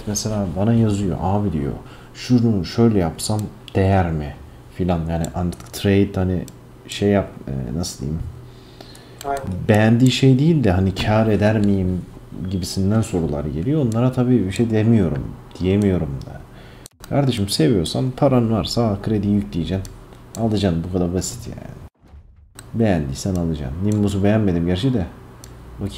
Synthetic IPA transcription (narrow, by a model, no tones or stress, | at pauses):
meselʲaːbanajazɯjo̞̰ʔaːbid̪ḭjo̰ | ʃunuʃø̞jlʲɛjapsamd̪̥ejæɾmɪ | filʲanjaːnḭʔant̪ʰɯ̥kt̪ʰɾejd̪hani | ʃejːap̚ɛ̰nasɯld̪ḭim | bejænd̪iːʃejd̪ijilʲd̪ɛɦanicʰaːɾe̞d̪æɾmijimɟibisind̪ænso̞ɾulˠa̰ɾɯɟe̞lʲijo̞onlˠaɾat̪ʰabiːbiʃejd̪emijo̞ɾṵmd̪̥ijemijo̞ɾumd̪a̰ | kʰaɾd̪e̞ʃimse̞vijo̞ɾsanpʰaɾanɯvaɾsaːkʰɯɾed̪iːjyc̚ʲd̪ijed͡ʒænalˠɯd͡ʒanbukʰad̪aɾbasi̥t̪ʰja̰ːnɪ | bejænd̪iːsænalˠɯd͡ʒa̰nnːimmːuzubejænme̞d̪imɟæɾt͡ʃʰid̪ɛ | bacʰ